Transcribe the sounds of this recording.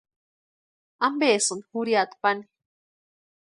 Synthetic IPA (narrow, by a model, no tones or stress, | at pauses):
ambeːsɨnhuɾiat̪pani